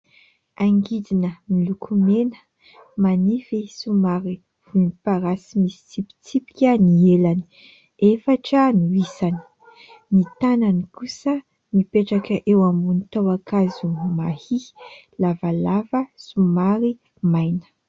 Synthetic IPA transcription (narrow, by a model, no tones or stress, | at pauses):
aŋɡid̪inəmilukʰumenə̥ | manifisumaɾi | v̥unipaɾasimisi̥t͡sipi̥t͡sipi̥kʲənielani | efaʈ͡ʂənuisani̥ | nit̪ananikusə | mipeʈ͡ʂakəʔewambunit̪awakazumahi | lavalavəsumaɾi | majnə̥